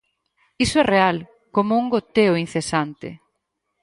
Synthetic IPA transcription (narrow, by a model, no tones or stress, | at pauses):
isoɛreal | komouŋɡot̪eʊin̟θesant̪ɪ̰